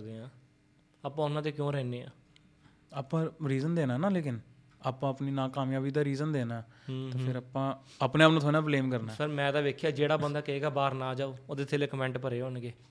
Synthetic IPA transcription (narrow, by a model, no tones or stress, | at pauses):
d̪eːãː | aːpãːʊnãːt̪eːkjõːɾɛːneːã̰ː | aːpãːɾiːzənd̪eːnaːnãːleːkɪn | aːpãːəpniːnãːkaːmjãːʋiːd̪aːɾiːzənd̪eːnaːt̪eːpʰɪɾaːpãː | aːpnẽːaːpnũːt̪ʰoːnãːpleːmkəɾnaːsəɾmɛ̃ːd̪aːʋeːkʰjaːd͡ʒeːɽaːbənd̪aːkəeːɡaːbaːɾnãːd͡ʒaːoːoːd̪et̪ʰeːleːkəmɛ̃ːɳʈpəɾeːoːnɡeː